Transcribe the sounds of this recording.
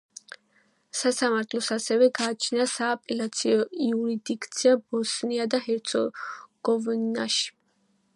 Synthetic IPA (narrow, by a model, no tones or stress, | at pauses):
sasamaɾt̪ʰlˠɔsasɛvɛɡaːt͡ʃʰnasaːpʼɛlat̪sʰiɔiuɾid̪ikʰʼt̪sʰiabɔsniad̪ahɛɾt̪sʰɔ̰ɡ̥ɔvna̰ʃi̥